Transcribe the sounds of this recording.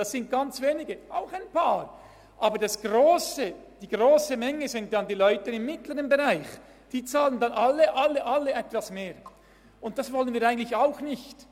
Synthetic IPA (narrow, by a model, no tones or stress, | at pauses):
d̥ɑssɪnt̚ɡ̥ɑnt͡sveːnɪɡəʔaʊxaɪnpʰaːɾ | ʔaːbədɑsɡ̥ʁoːsəd̥iːɡ̥ʁoːsəmɛŋəzɪnt̚dɑndiːlɔʏtəɪmːɪtləʁənbeʁaɪx | d̥iːt͡saːləndɑnʔalːəʔalːəʔalːəɛtv̥asmeːɾ | ʊnt̚d̥asvɔlənviːɾʔaɪɡən̩tlɪçaʊxnɪçt